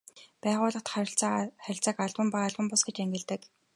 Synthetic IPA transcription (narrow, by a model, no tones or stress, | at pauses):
pæːʁʊːɮə̆χt̪χɾʲɪ̆ɬt͡saχæɾʲɪ̆ɬt͡sə̆kaɮpə̆mpaaɮpə̆mpʊsɡet͡ɕæŋɡʲɪ̆ɮt̪ɘ̆k